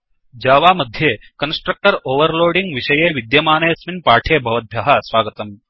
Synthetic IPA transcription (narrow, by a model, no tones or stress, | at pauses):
d͡ʒaːʋaːmɐd̪ʱjeːkɐnsʈɾɐk̚ʈɐɾoːʋɐɾloːɖiŋɡʋiʂɐjeːʋid̪jɐmaːneːɐsminpaːʈʰeːbʱɐʋɐd̪̚ʱjɐɦɐsʋaːɡɐt̪ɐm